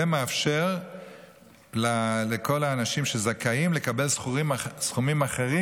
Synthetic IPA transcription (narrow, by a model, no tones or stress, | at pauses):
emeafʃe̞ʁ | laleko̞laːnaʃimʃezakaimle̞kabe̞lsimsχumimaχe̞ʁi